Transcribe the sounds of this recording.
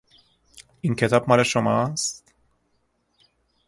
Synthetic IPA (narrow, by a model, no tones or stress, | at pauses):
ʔincʰe̞t̪ʰɒːb̥̚mɒːleʃomɒːst̪t̪